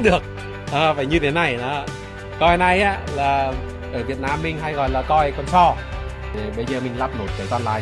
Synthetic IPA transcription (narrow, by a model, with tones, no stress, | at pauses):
ɗɨ˨˩ək̚ | ʔəː˨˧˩faː˧˩jɲɨ˧t̪ʰe˨˦na˨˩jnɔ˨˦ | kɔ˧jna˧jʔaː˨˦laː˨˩ | ʔəː˧˩vi˨˩ət̚naː˧mːï˧˩ŋ̟ɦa˧jɣɔ̰˧˨jlaː˨˩kɔ˧jkɔ˨˧˩nsɔ˧˩ | e˨˩ɓə˧jzəː˨˩mï˨˩ŋ̟laː˦˥p̚no˨˩t̚kaː˨˦kaː˧nlaː˨˦